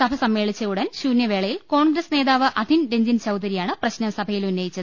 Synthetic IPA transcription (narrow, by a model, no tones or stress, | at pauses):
sɐbʱɐsɐmːe̞ːɭit͡ɕːɐuɽɐnɕuːnjɐʋe̞ːɭɐjilko̞ːɳɡɾɐsne̞ːðaːʋɨʔɐd̪ʱinɾeɲd͡ʑint͡ɕɐwd̪ɐɾijaːɳɨprɐɕnɐmsɐbʱɐjilunːejit͡ɕːɐðɨ